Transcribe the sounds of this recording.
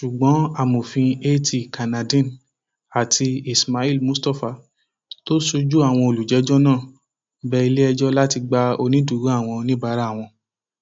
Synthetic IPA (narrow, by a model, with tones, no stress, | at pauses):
ʃu˨ɡ͡bɔ̃˨˦a˦˨mo˨fĩ˧e˦tʰi˨ka˨nã˨dĩ˦˨n | a˨tʰi˧i˨sma˧i˦lmũ˦sta˦˨fa˨ | to˦so˧d͡ʒu˦a˦˨w̃ɔ̃˧o˧˨lu˨d͡ʒɛ˨˦d͡ʒɔ˦nãː˦˨ | bɛ˦i˧le˦ɛ˧d͡ʒɔ˦la˦ti˧ɡ͡ba˧o˧nĩ˦du˨˦ɾu˦a˦˨w̃ɔ̃˧nĩ˦ba˧˦ɾa˦˨w̃ɔ̃˧